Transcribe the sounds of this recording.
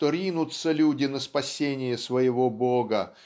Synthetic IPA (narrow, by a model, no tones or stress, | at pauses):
t̪oɾʲinʊt̪səlʲudʲɪnəspɐsʲenʲɪjəsvəjɪvoboɡə